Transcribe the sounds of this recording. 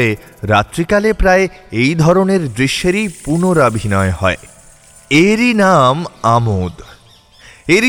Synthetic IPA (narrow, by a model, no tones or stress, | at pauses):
eɾat̪ːɾikalepɾaeejd̪ʱɔɾoneɾd̪ɾiʃːeɾipunoɾabʱinɔehɔe | eɾinamamod̪ | eɾi